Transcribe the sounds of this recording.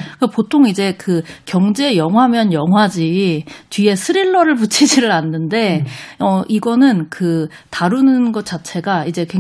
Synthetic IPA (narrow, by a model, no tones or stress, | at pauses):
kɯkɡapotʰoŋid͡ʑe̞kɯkjʌŋd͡ʑe̞jʌŋɦwamjʌnjʌŋɦwad͡ʑit͡ɕɥie̞sʰɯɾiɭːʌɾɯɭput͡ɕʰid͡ʑiɾɯɭanːɯnde̞ʌʔiɡʌnɯnkɯ | taɾunɯnɡʌt̚t͡ɕ͈at͡ɕʰe̞ɡaid͡ʑe̞ke